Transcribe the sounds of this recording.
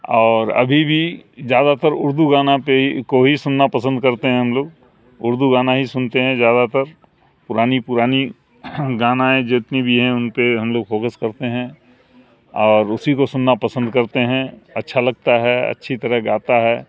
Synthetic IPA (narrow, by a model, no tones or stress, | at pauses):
ɔːɾɐ̰bʱibʱizjaːd̪at̪əɾʊɾd̪uɡaːnapekoɦisʊnːapɐsə̃nd̪kɐɾt̪eɦɛ̃ɦɐmloːɡ̚ | ʊɾd̪uɡaːnaɦisʊnt̪eɦɛ̃zjaːd̪at̪əɾ | pʊɾaːnipʊɾaːni | ɡaːnaẽd͡ʒɪt̪nibʱiɦɛ̃ʊnpeɦɐmloːɡfɔːkəskɐɾt̪eɦɛ̃ | ɔːɾʊsikosʊnːapɐsə̃nd̪̚kɐɾt̪eɦɛ̃ɐ̰tːʃʰalɐɡ̚t̪aɦɛɐ̰tːʃʰit̪ɐɾəɦɡaːt̪aɦɛː